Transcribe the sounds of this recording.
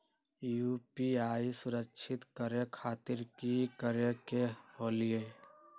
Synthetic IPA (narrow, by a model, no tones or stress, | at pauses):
juːpiaːisʊɾəkʃʰɪt̪kəɾjəkʰaːt̪ɪɾkikəɾjəkehoːlie